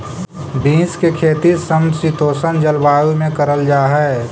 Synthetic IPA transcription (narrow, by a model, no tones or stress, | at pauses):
bĩːskekʰeːt̪isəmsit̪oːsənd͡ʒəlbaːjumẽkɐɾəld͡ʒaːɦɛː